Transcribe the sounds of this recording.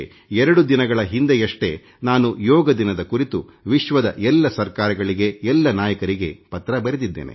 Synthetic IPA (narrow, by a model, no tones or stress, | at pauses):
ɛɾɐɽud̪inɐɡɐɭɐɦind̪ejɐʂʈe̞ | naːnujɔːɡɐd̪inɐd̪ɐkuɾit̪u | ʋiʃʋɐd̪ɐ̰ʔɛlːɐsɐɾkaːɾɐɡɐɭiɡe̞ɛlːɐnaːjɐkɐɾiɡe̞pɐt̪ɾɐbɐɾed̪id̪ːḛːnḛ